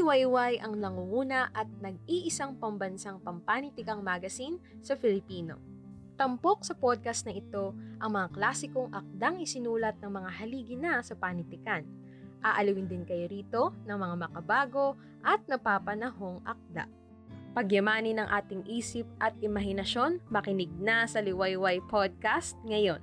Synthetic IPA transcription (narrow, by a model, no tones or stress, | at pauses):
wɐjwajʔɐŋnɐŋuuːnɐʔɐt̪̚nɐɡ̚iʔɪsaŋpɐmbɐnsaŋpɐmpanɪt̪ɪkɐŋmaɡɐsinsɐfɪlɪpiːno̞̰ | t̪ɐmpo̞k̚sɐpod̪̚kɐst̪nɐʔɪt̪o̞ʔɐŋmɐŋaklaːsɪko̞ŋʔɐk̚d̪aŋɪsɪnuːlɐt̪̚nɐŋmɐŋaɦɐliːɡɪnɐsɐpanɪt̪ɪkan | ʔaːʔɐliwɪnd̪ɪnkɐjoɾiːt̪o̞nɐŋmɐŋamɐkɐbaːɡo̞ | ʔɐt̪̚nɐpaːpɐnɐho̞ŋʔɐk̚d̪a̰ | pɐɡjɐmaːnɪnɐŋʔaːt̪ɪŋʔiːsɪp̚ʔɐt̪̚ʔɪmɐɦɪnɐʃo̞nmɐkɪnɪɡ̚nɐsɐlɪwajwajpʰod̪̚kast̪̚ŋɐjo̞n